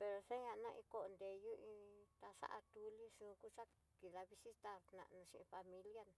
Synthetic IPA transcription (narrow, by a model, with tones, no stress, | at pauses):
pe˧ɾo˧se˦ɲã˧nã˧ʔĩ˧ko˧ʔo˧nd̪e˨ju˦ʔĩ˧t̪a˧ʂa̰˦ʔa˧t̪u˧li˦ʂũ˧˦˧ku˦t͡ʃa˦ | ki˨ða˧βi˧si˦t̪a˦ɾnã̰˧ʔnũ˧ʃi˧ĩ˧fa˧mĩ˧lja˦n˧